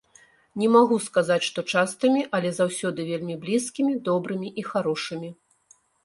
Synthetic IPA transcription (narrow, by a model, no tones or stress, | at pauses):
nʲɛmaɣuskazat͡sʲʂt̪ɔt͡ʂast̪ɐmʲiʔɐlʲɛzawsʲɔd̪ɨvʲelʲmʲiblʲiskʲimʲid̪ɔbɾɨmʲiʔixaɾɔʂɨmʲi